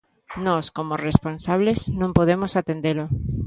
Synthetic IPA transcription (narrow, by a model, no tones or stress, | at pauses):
nɔskomoresponsaβ̞leznõmpoð̞emosat̪end̪elo